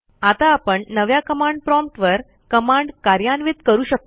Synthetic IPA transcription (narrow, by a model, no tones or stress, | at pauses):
at̪aːpəɳnəʋjakəmaɳɖpɾɔmp̚ʈʋəɾ | kəmaɳɖkaɾjanʋit̪kəɾuːɕək̚t̪o